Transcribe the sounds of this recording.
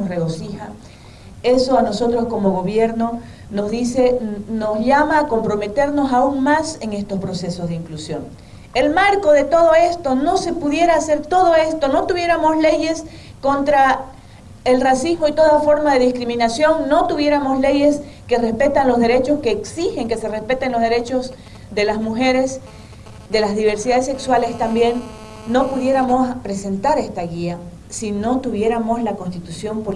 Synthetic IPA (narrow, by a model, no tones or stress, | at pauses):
osreɣo̞sixa | e̞so̞ano̞so̞t̪ɾosko̞mo̞ɣo̞βje̞ɾno̞ | no̞zðise̞no̞zʝamaːko̞mpɾo̞me̞t̪e̞ɾno̞sauŋmase̞ŋe̞st̪o̞spɾo̞se̞so̞zðeiŋklusjo̞̰ŋ | e̞lmaɾko̞ðe̞t̪o̞ð̞o̞e̞st̪o̞no̞se̞puðje̞ɾaːse̞ɾt̪o̞ðoe̞st̪o̞no̞t̪uβje̞ɾamo̞sle̞je̞s | ko̞nt̪ɾa | elrasizmo̞it̪o̞ðafo̞ɾmaðe̞ðiskɾimĩnasjo̞ŋːo̞t̪uβje̞ɾamo̞sle̞je̞s | ke̞re̞spe̞t̪anlo̞zðe̞ɾet͡ʃo̞ske̞ːksixe̞ŋke̞se̞respe̞t̪e̞nlo̞zðeɾe̞t͡ʃo̞z | ðe̞lazmuxe̞ɾe̞s | d̪e̞lazðiβ̞e̞ɾsiðaðesekswalest̪ambje̞nː | o̞puðje̞ɾamo̞spɾe̞se̞nt̪aɾe̞st̪aɣia | sino̞t̪uβje̞ɾamo̞slako̞nst̪it̪usjo̞mpo